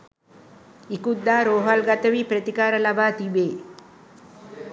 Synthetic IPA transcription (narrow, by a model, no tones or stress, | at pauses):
ikud̪ːaːɾoːɦɐlɡɐt̪ɐʋipɾɐt̪ikaːɾɐlɐbaːt̪ibeː